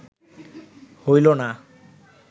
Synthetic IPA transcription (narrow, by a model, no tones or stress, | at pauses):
hojlona